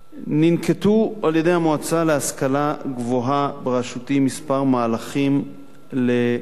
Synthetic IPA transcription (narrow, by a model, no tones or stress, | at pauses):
ninketualje̞de̞jhamoat͡saleaskalaɡvoɦabeʁaʃutimispaʁmaːlaχim | le